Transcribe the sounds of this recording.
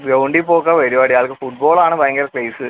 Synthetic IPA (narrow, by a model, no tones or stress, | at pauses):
ʋewɳɖipːoːkːɐʋɐɾibaːɽijaːɭkɨfuʈ̚boːɭaːɳɨpɐjɐŋɡɐlɐkrɐjsɨ